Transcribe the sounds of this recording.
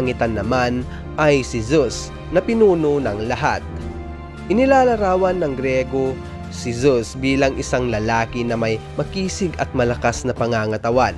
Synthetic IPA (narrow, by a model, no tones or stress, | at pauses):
ŋɪt̪anːɐman | ʔɐjsɪzus | nɐpɪnuːnonɐŋlɐɦa̰t̪̚ | ʔɪnɪlaːlɐɾaːwɐnːɐŋɡɾɛːɡo | sɪzusbiːlɐŋʔɪsaŋlɐlaːkɪnɐmajmɐkiːsɪɡɐt̪̚mɐlɐkasnɐpɐŋaːŋɐt̪ɐwan